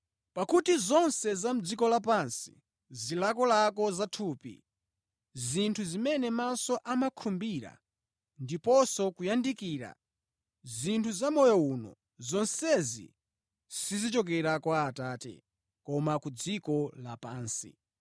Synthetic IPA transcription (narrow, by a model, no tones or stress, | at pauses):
pakutizɔnsɛzam̩d͡zikɔlap̬ansi̥̰ | zilakɔlakɔzatʰuːpḭ | zintʰuzimɛnɛmasɔʔamakʰumbiɾa̰ | ndipɔsɔkujandikiːɾa̰ | zintʰuzamɔjɔunɔ̰ | zɔnsɛzḭ | sizit͡ʃɔk̬ɛɾakwaːtaːtɛ̰ | kɔmakud͡zikɔlapaːnsḭ